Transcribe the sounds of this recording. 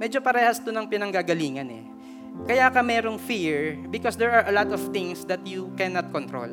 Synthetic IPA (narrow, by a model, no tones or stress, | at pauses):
mɛd͡ʒopɐɾɛːhɐst̪ʊnɐŋpɪnɐŋɡaɡɐliːŋɐnɛ̰ | kɐjaːkɐmɛːɾoŋfiɹbɪkɔsd̪ɛɹʔɐɹʔɐlat̪ɔvt̪ɪŋsd̪ɐt̪jukɛnɐt̪̚kont̪ɾo̰l